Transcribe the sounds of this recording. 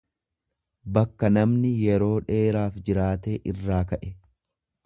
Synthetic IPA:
bɐkːɐnɐmnɪjɛɾo̞ːᶑe̞ːɾaːfd͡ʒɪɾaːt̪e̞ːʔɪrːaːkɐʔɛ

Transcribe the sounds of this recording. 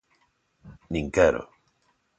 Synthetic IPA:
nĩŋkeɾo̰

